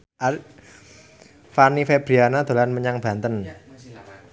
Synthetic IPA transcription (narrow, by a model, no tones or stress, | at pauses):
a | fanifeb̥ɾianad̪̥o̤lanməɲaŋb̥a̤nt̪ən